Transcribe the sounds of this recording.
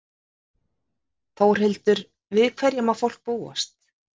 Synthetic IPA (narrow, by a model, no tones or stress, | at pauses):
θoːwr̥hɪlt̪ʏɾ | vɪðkʰvɛɾjamafowl̥k̚puːa̰st̪